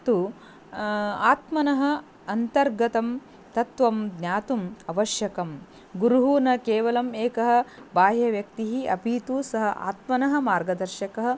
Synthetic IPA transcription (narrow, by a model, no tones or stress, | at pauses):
t̪u | aːt̪mɐnɐɦɐ̆ | ɐnt̪ɐɾɡɐt̪ɐm | t̪ɐt̪ʋɐmd̪nʲjaːt̪umɐʋɐʃjɐkɐm | ɡuɾuɦunɐkeːʋɐlɐmeːkɐɦɐ̆baːjɐʋjɐk̚t̪iɦiɐ̰piːt̪usɐɦɐʔa̰ːt̪mɐnɐɦɐ̆maːɾɡɐd̪ɐɾʃɐkɐɦɐ̆